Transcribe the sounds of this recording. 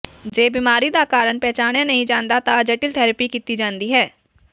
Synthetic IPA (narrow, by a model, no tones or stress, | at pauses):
d͡ʒeːbiːmaːɾid̪akaːɾənpɛːt͡ʃaːɳjãnɐɦĩd͡ʒãːnd̪at̪ad͡ʒɐʈɪlt̪ʰɛːɾəpikit̪id͡ʒãːnd̪iɦɛː